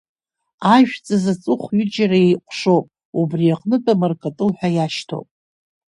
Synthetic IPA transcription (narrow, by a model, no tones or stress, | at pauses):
aʒᶣt͡sʼazat͡sʼʊχʷɥʏd͡ʒaɾaejqʷʰʼʂowpʼ | ubriaqʼnɨtʼamarkʰʼatʼɨlħʷᶣajaʃtʰo̰wpʼ